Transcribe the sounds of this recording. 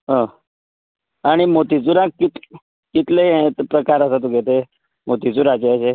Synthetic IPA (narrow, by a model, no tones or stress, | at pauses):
ɦə̃ | aɽ̃imot̪it͡suɾãkkit̪ | kit̪let̪pɾəkaɾəsat̪̬ũɡʱet̪e | mot̪it͡suɾat͡ɕeəse